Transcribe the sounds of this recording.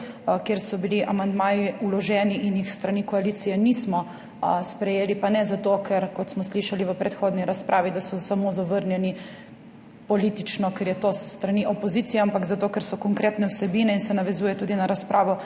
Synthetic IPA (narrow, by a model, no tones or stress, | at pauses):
keɾsɔbiliʔamand̪maːjiulɔʒɛːniʔinjixst̪ɾanikɔaliːt̪sijɛnismɔ | spɾɛjeːlipanɛzat̪okʰɛɾkɔt̪smɔsliʃaliʋəpɾɛt̪xoːd̪niɾaspɾʔaːʋid̪asɔsamozaʋəɾnjɛni | pɔliːt̪it͡ʃnɔkɛɾjɛt̪oːssːt̪ɾaniʔɔpɔziːt̪sijɛampakzat̪oːkɛɾsɔkɔŋkɾeːt̪nɛwsɛbiːnɛinsɛnaʋɛzuːjɛt̪uːd̪inaɾaspɾʔaːʋɔ